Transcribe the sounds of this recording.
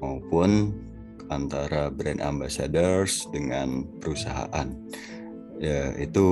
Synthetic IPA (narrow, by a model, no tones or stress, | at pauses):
awpʊn | ant̪aɾabɾɛnda̰mbasadərsdəŋanpəɾusaɦa̰ʔan | jait̪u